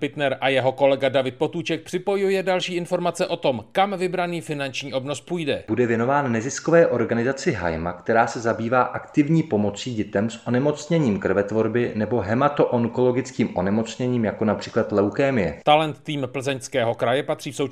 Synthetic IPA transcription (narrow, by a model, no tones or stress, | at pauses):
pɪt̪nɛɾʔajɛɦo̞ko̞lɛɡadavɪt̪̚po̞t̪uːt͡ʃɛk̚pr̥ɪpo̞jujɛdalʃiːʔɪnfo̞ɾmat͡sɛʔo̞t̪o̞mkamvɪbɾaniːfɪnant͡ʃɲiːʔo̞bnospuːjdɛbudɛvjɛnovaːnnɛzɪskovɛːʔo̞ɾɡanɪzat͡sɪɦa̰jma̰kt̪ɛɾaːsɛzabiːvaːʔakt̪ɪvɲiːpo̞mot͡siːɟɛt̪ɛmsʔonɛmot͡sɲɛɲiːmkr̩vɛt̪vo̞ɾbɪnɛbo̞ɦɛmat̪oʔoŋkolo̞ɡɪt͡skiːmʔonɛmo̞t͡sɲɛɲiːmjakonapr̥iːklat̪lɛwkɛːmɪjɛt̪alɛnt̪ːiːmpl̩zɛɲskɛːɦo̞kɾajɛpat̪r̥iːfso̞w